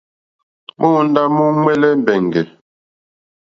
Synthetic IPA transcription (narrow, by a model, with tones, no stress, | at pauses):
mu˦n̩˦da˦mu˦mwɛ˦lɛ˦m̩˨bɛ˨ŋ˨ɡɛ˨